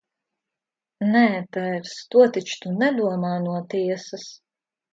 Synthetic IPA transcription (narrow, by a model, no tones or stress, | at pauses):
nɛːt̪ɛɾst̪uɔt̪it͡ʃt̪unɛd̪uɔmaːnuɔt̪iɛsɐs